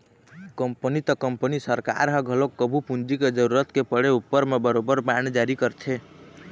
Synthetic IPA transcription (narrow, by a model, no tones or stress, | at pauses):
kəmpənit̪əkəmpənisəɾka̰ɾɦəɡʱəlokːəbʱupund͡ʒiked͡ʒəɾuɾət̪kepəɽeupːəɾmebəɾobəɾbaned͡ʒaɾikəɾt̪ʰe